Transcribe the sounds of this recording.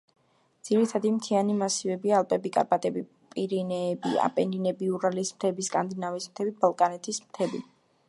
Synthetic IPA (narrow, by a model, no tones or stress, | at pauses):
d̪z̥iɾit̪ʰad̪imt̪ʰianimasivɛbialˠpʼɛbikʼa̰ɾpʼat̪ʼɛbi | pʼiɾinɛːbḭa̰pʼɛninɛbiuɾalismt̪ʰɛbiskʼand̪inavismt̪ʰɛbibalˠkʼanɛt̪ʰismt̪ʰɛbḭ